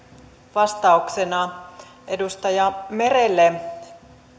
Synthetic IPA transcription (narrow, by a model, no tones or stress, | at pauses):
ʋɑst̪ɑuksenɑ | ʔe̞dust̪ɑjɑme̞relːe